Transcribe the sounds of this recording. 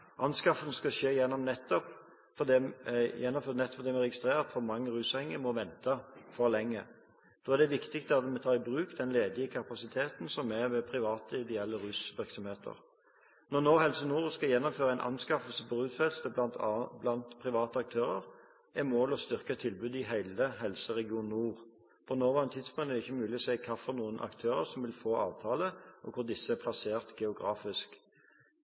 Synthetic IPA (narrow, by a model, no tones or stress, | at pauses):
ʔɑnskɑfənəskɑʃeːjɛnːɔmnɛt̪ːɔp | fɔd̪ɛjɛnːɔmfønɛt̪ːɔ̥pfʰd̪ɛmɛʁɛɡɪst̪ʁeːʁɑt̪fɔɾmɑŋːəʁʉːshɛŋːəmɔʋɛnt̪ɑfɔɾlɛŋːə̰ | d̪̥oːæʁd̪ɛʋɪkt̪ɪkst̪əɑt̪̚mɛt̪ʰɑːɪbʁʉːkd̪ɛnleːd̪ɪəkʰɑpɑsɪt̪ʰeːt̪n̩sɔmæʋɛpʰɾɪʋɑːt̪əɪd̪ɛɛlːəʁʉːsʋɪʁksɔmheːt̪ʰə̰ʁ | nɔnoːhɛlsənuːʁskɑjɛnːɔmføːʁəæɪnʔɑ̰nskɑfəlsəbɔʁʉːt̪fɛlst̪əblɑnt̪pʰʁɪʋɑːt̪əɑk̚t̪ʰøːʁəʁ | ʔɛmoːlɔst̪ʏʁkət̪ʰɪlbʉːd̪ɪɦæɪləɦɛlsəʁɛɡɪuːnːuːʁ | pʰɔnoːʋɑnət̪ʰɪd̪spʊŋt̪ɛʁɪçːəmʉːlɪɔsɛɪkʰɑfɔʁnuːənʔɑ̰kt̪ʰøːʁəʁsɔmʋɪlfoːɑːʋt̪ʰɑːləʔɔkʰʊʁd̪ɪsːəæpʰlɑseːʁt̪ɡɛʊɡʁɑːfɪsk